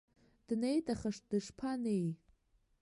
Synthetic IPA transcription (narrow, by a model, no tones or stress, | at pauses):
d̥nejtʼaχaʂt̚dɨʂpʰanej